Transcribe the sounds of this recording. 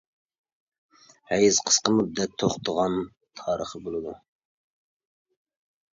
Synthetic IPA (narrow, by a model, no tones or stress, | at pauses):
hɛjɪzqʰə̥sqəmup̚d̪ɛk̚t̪ʰoχt̪ʰəʁɑn | t̪ʰɑːɾəχəbolˠɨd̪u